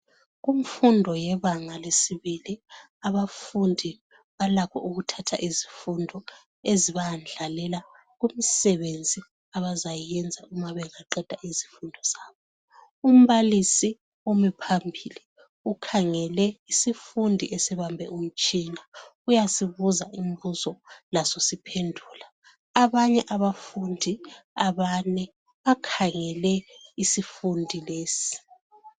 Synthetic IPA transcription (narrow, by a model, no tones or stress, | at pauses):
ɣum̩fundʱɔjɛβaŋalesiβili | aβafundʱi | βalakʰɔ̰ʔuɣutʰatʰa̰ʔizifundʱɔ | eziβaand͡ɮʱalɛla | ɣum̩sɛβend͡zʱi | aβazajɛnd͡zʱaumaβɛŋaǃɛd̥ʱaʔizi̥fundʱɔz̥aːβɔ | um̩βalisi | omipʰambʱili | ukʰaŋɛlɛisifundʱḭʔɛsɛβambʱɛ̰um̩t͡ʃʼinaujasiβuzaʔimbuzɔlasosipʰendʱuːlaː | βaɲɛʔaβafundʱiaβaːnɛ | βakʰaŋɛlɛisifundʱileːsi̥